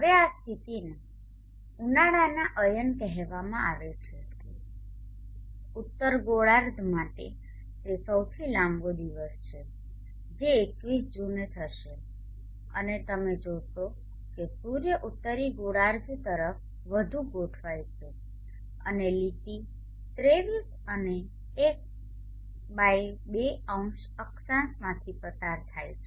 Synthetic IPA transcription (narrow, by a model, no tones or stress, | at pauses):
ɦəʋeast̪ʰit̪ine | unaɽanaʔəjənkɛɦɛʋamãaʋet͡ʃʰe | ʊt̪ːəɾɡoɽaɾd̪ʱmaʈḛ | t̪esəwt̪ʰilãmbod̪iʋəst͡ʃʰe | d͡ʒeːkʋisd͡ʒunet̪ʰəʃe | ə̰net̪əmed͡ʒoʃo | kesuɾjəʔut̪ːəɾiɡoɽaɾd̪ʱt̪əɾəf | ʋəd̪ʱuɡoʈʰʋajt͡ʃʰe | ə̰nelit̪i | t̪ɾeʋis | əneː | k̚ | bajbeəũʃ | əksãsmãt̪ʰipəsaɾt̪ʰajt͡ʃʰe